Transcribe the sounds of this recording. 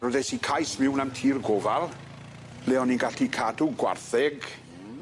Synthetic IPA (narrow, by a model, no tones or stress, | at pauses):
ɔðɛsikʰajsmɪwnamtʰiːrɡɔvalˠ | lɛɔninɡaɬikʰaduɡwa̰rθɛɡ